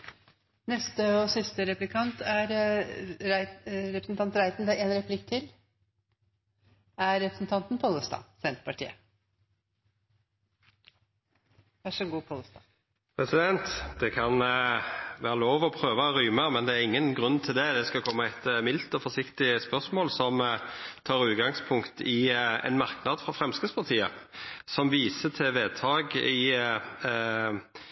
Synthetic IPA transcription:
nɛst̪əɔsɪst̪əɾɛplɪkʰɑnt̪æɾ | ɾɛpɾəsn̩ɑnt̪ɾæɪt̪n̩d̪æeːnɾɛpʰlɪkt̪ʰɪl | æɾɛpɾəsn̩t̪ɑnt̪npʰɔlːəst̪ɑ̰ːsɛnt̪pʰɑʈʰḭːə̰ | ʋæʂɔɡuːpʰɔləst̪ɑ̰ | pʰʁɛsɪd̪ɛnt̪d̪̥ɛkʰɑn | ʋæːʁəloːʋɔpʰɾøːʋəɾyːməmɛnd̪ɛæʁɪŋːənɡʁʉnːt̪ʰɪld̪ɛd̪ɛskɑkʰɔmːɑɛɪt̪mɪlt̪ɔfɔsɪkt̪ɪspœʁsmoːlsɔmt̪ʰɑːʁʉːt̪̚ɡɑŋspʰʊŋkt̪ɪɛ̰nmɑʁknɑd̪fʁɑfʁɛmskəspʰɑʁt̪ʰiːəsɔmʋiːsət̪ʰɛʋeːt̪ʰɑːɡɪ

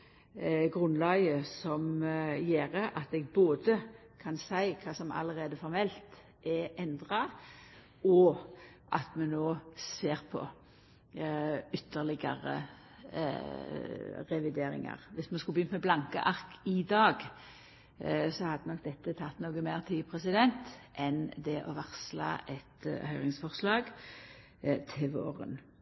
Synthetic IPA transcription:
ɡʁʉnlɑːɡəsɔmjeːʁəʔɑt̪ɛɡboːd̪ə | kʰɑnsæɪkʰɑːsɔmɑ̰ləʁeːd̪əfɔʁmɛlt̪ | ʔɛʔɛnd̪ʁɑ | ɔʔɑt̪mɛnnoːseːʁpʰɔ̰ | ʏt̪ʰːəʁlɪɡɑ̰ʁə̰ | ʁɛʋɪd̪eːɾɪ̰ŋɑ̰ʁʋɪsmɛnskʉlbəjʏnmɛblɑŋkəʔɑʁkɪd̪ɑːɡ | sɔhɑd̪ːənɔk̚d̪ɛt̪ːət̪ʰɑt̪ːnoːɡəmeʁt̪ʰiːpʰʁɛsɪd̪ɛnt̪ʔɛnd̪ɛʔɔʋɑʁslɑ̰ɛt̪hœʏʁɪŋsfɔʁslɑːɡ | t̪ʰɪlʋo̰ːʁə̰n

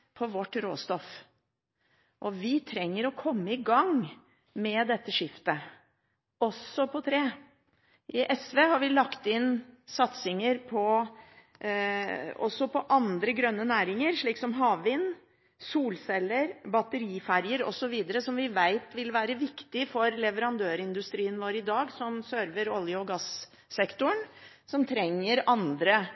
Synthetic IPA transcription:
pʰɔʋɔʈːɾoːst̪ɔf | ʔɔʋɪt̪ʰɾɛŋːəɾɔkʰɔmːəɪɡɑŋ | mɛd̪ɛt̪ːəʂɪft̪ə | ɔsːɔpʰɔt̪ʰɾeː | ʔɪʔɛsʋeːhɑɾʋɪlɑkt̪ɪnsɑt̪sɪŋəɾpʰɔ | ɔ̰sːɔpɔʔɑnd̪ɾəɡɾœnːənæːɾɪŋəɾʂɭiːksɔmɦɑːʋʋɪnː | suːlsɛlːəɾbɑt̪əɾiːfæɾjəɾɔ̰sɔʋiːd̪əɾəsɔmʋɪʋæɪt̪ʋɪlʋæːɾəʋɪkt̪ɪfɔɾlɛʋəɾɑnd̪øːɾɪnd̪ʉst̪ɾiːənʋoːɾɪd̪ɑːɡsɔmsœɾʋəɾɔljəɔɡɑsː | ɛkt̪ʊɳ | sɔmt̪ʰɾɛŋːəɾɑnd̪ɾə

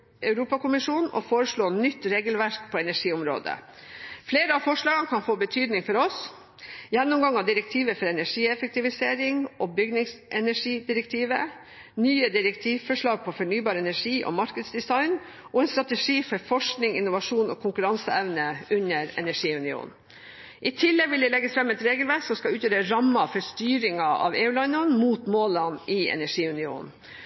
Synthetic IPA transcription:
ʔœʉɾuːpɑkʊmɪʂuːnɔ̰foːɾəʂɭoːnʏt̪ːɾeːɡəlʋæɾk̚pʰɔːɛnæʂiːʊmɾo̰ːd̪ə̰fleːɾəɑfɔʂɭɑːɡənkʰɑnfoːbət̪ʰyːd̪nɪŋfɔɾɔs | jɛnːʊmɡɑŋːɑʋd̪ɪɾɛk̚t̪ʰiːʋəfɔɾɛnæʂiːɛfɛk̚t̪ɪʋɪseːɾɪŋɔbʏɡnɪŋsʔɛnæʂiːd̪ɪɾɛkt̪ʰiːʋə | nyːəd̪ɪɾɛk̚t̪ʰiːʋfɔʂɭɑːɡ̚pʰɔfɔɳyːbɑːɾəɛnæʂiːʔɔ̰mɑɾkəd̪sd̪ɪsɑɪn | ʔɔɛnst̪ɾɑt̪əʂiːfɔɾfɔʂknɪŋɪ̰nːʊʋɑʂuːnɔ̰ːkʰʊŋkʉɾɑnsəɛʋnəʉɲːəɾɛ̰næʂiːʉnɪṵːnn | ʔɪt̪ʰɪlːɛɡʋɪld̪ɛlɛɡːəsfɾɑmɛt̪ɾeːɡəlʋæsɔmskɑʉːt̪jøːɾəɾɑmːɑfɔʂt̪yːɾɪŋɑʔɑ̰ʋeːʉːlɑɪnɑnmuːt̪moːlɑnɪɛ̰næʂiːʉnɪṵːnn̩

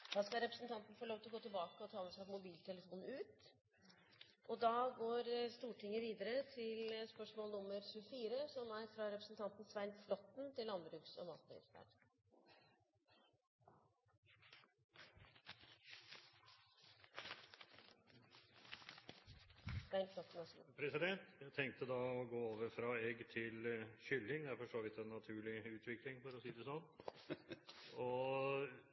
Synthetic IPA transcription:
d̪̥ɑːskɑɾɛpɾəsn̩t̪ʰɑnt̪n̩əfoːɭoːʋt̪ɪlɡoːt̪ʰɪlbɑːkəɔt̪ʰɑːmɛsæɪpɔmʊbiːlt̪ʰɛləfuːnn̩ʉːt̪ | ʔɔd̪ɑːɡoːɾst̪uːʈʰɪŋːəʋiːd̪əɾət̪ʰɪlspœʂmoːlnʊmːəɾçʉəfiːɾəsɔmæɾfɾɑɾɛpɾəsnt̪ʰɑnt̪nsʋæɪnflɔt̪nt̪ɪlːɑnbɾʉːksɔ̰mɑst̪əɪ̰fæ̰ːɖ̪ | ʋænflɔt̪ːn̩ɑspʰɾɛsɪd̪ɛnt̪jæt̪ʰɛŋk̚t̪əd̪ɑɔɡoːoːʋəɾfɾɑɛɡt̪ʰɪlɕʏlːɪŋd̪ɛæɾfɔʂoːʋɪt̪ɛnːɑt̪ʰʉːɭɪʉːt̪ʰʋɪklɪŋfɔɾɔsiːd̪ɛsɔnː | ɔ

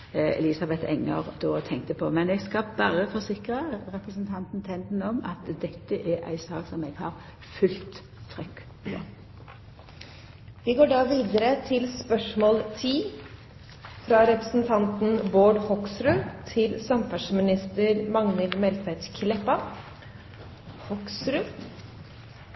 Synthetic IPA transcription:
ɛ̰liːsɑbɛt̪ʰɛ̰ŋːə̰ʁd̪oːt̪ʰɛŋk̚t̪əpʰɔmɛnɛɡskɑbɑːɾəfɔsɪkʁəɾɛpɾəsnt̪ʰɑnt̪n̩t̪ʰɛnd̪n̩ɔmɑ̰t̪d̪ɛt̪ːəʔæʔæ̰ɪsɑːksɔmɛɡ̥hɑʁ | fʉlt̪ʰː | ɾʏkː | pʰɔ̰ | ʋɪɡoːɖɑːʋiːd̪əɾət̪ʰɪlspœʂmɔːlt̪ʰiː | fɾɑɾɛpɾəsn̩t̪ʰɑnt̪n̩boːɖhɔksɾʉt̪ʰɪlsɑmfɑʂmɪnɪst̪əɾmɑŋnəlmɛlt̪ʋæt̪kʰlɛpɑ | hɔksɾʉ

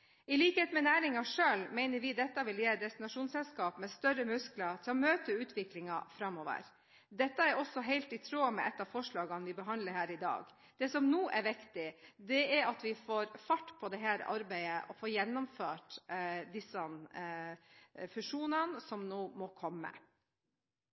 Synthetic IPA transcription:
ɪliːkəheːt̪mɛnæːɾɪŋɑʂøːlmæɪnəɾʋɪd̪ɛt̪ːɑʋɪljɛd̪ɛst̪ɪnɑʂuːnsɛlskɑːpmɛst̪œɾəmʉsklɑt̪ʰɪlɔmøːt̪əʉːt̪ʰʋɪklɪŋɑfɾɑmːoːʋə̰ɾ | d̪ɛt̪ːɑæɾɔsɔɦæɪlt̪ɪt̪ʰɾoːmɛʔɛt̪ːɑːʋfɔʂɭɑːɡɑnʋɪbəɦɑnd̪ləɾhæːɾɪd̪ɑ̰ːɡ | d̪̥ɛsɔmnuːʔɛɾʋɪkt̪ɪd̪ɛæɾɑt̪ʋɪfoːɾfɑʈːpʰɔd̪ɛɦæːɾɑ̰ɾbæɪəʔɔfoːɾjɛnːɔmføːʈd̪ɪsɑn | fʉʂuːnɑnsɔmnoːmɔkʰɔmːə̰

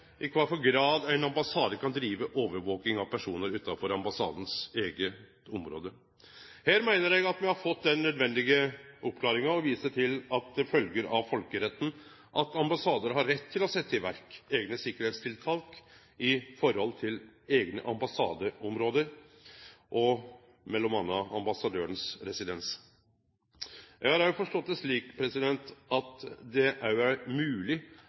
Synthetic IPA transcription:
ʔɪkʰʋɑɾfɔɾɡɾɑːd̪æɪnɑmbɑsɑːd̪əkʰɑnd̪ɾiːʋəʔoːʋəɾʋoːknɪŋɑʋpʰæʂuːnəɾʉːt̪ːɑfɔɾɑmbɑsɑ̰ːd̪n̩seːɡət̪ɔmɾo̰ːd̪ə | hæːɾmæɪnəɾjɛɡɑt̪mɛhɑɾfɔt̪ːd̪ɛnːœd̪ʋɛnd̪ɪɡəʔɔpːkʰlɑːɾɪŋɑɔʋiːsəʈʰɪlɑt̪̚d̪ɛfœlɡəɾɑʋfɔlkəɾɛt̪ːn̩ | ʔɑt̪ɑmbɑsɑːd̪əɾɦɑɾːɛt̪ʰːɪlɔsɛt̪ːəɪʋæɾkeːɡnəsɪkːəɾheːt̪st̪ʰɪlt̪ʰɑlk | ɪfɔɾhɔlt̪ʰɪleːɡnə̰ʔɑmbɑsɑ̰ːd̪əɔmɾoːd̪əɾ | ʔɔ | mɛlːɔmɑnːəɑ̰mbɑsɑd̪øːɾəɳsɾɛsɪd̪ɛns | jæhɑɾæʊfɔʂʈɔt̪ːəʂɭiːkpʰɾɛsɪd̪ɛnt̪ɑt̪d̪ɛʔææmʉːlɪ

